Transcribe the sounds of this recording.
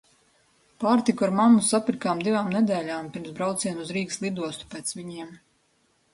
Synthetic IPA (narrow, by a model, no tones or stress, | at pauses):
paːɾt̪ikuaɾmamusapiɾkaːmd̪ivaːmnɛd̪ɛːlʲaːmpiɾmsbɾawt̪siɛnuzɾiːkslˠid̪uɔst̪u̥pɛːt̪sviɲiɛm